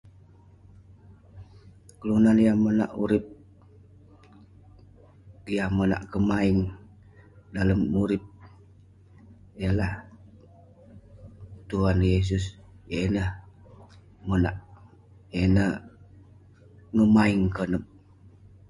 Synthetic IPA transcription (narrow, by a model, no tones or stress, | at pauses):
kəlunanjahməna̰ʔuɾɪp̚ | jahməna̰ʔkəmaɪŋ | daləmuɾɪp̚ | ijalah | t̪uɦanjes̬ʊs | jenəh | məna̰ʔ | jenəh | ŋəmaiŋkənəp̚